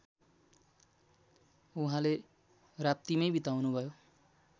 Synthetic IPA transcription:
uɦãle | rap̚t̪imʌjbit̪awnubʱʌjo

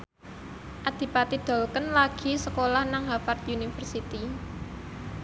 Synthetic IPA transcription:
ʔad̪̥i̤pat̪id̪̥ɔ̤lkənlaɡ̥i̤səkolahnaŋɦapart̪̚junifərsit̪i

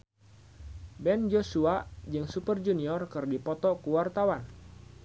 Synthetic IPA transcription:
bɛnd͡ʒosuad͡ʒɨŋsupərd͡ʒuniɔrkɨrdipɔt̪ɔkuwart̪awan

